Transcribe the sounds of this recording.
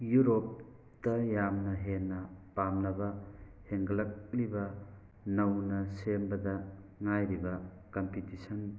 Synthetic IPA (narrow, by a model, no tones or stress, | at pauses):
juɾop̚ | tɐjamnɐɦenːɐpamnɐbɐheŋɡɐlɐk̚libɐ | nɐwnɐsembɐdɐ | ŋajɾibɐ | kɐmpitisɐn